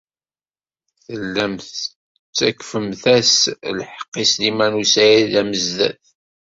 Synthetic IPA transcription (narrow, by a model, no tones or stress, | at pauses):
θəlːæmθ | t͡sːækːfəmθæslħə̥qːislimænusæjilæməzðæ̰θ